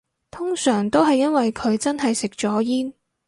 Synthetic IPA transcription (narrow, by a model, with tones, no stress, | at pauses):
t̪ʰʊ˥ŋsœː˨˩ŋt̪o˥wɦɐ˨jːɐ˥nwɐ˨jkʰɵ˨˧ɥt͡sɐ˥nɦɐ˨jsɪ˨k̚t͡ʃɔː˨˥jiː˥n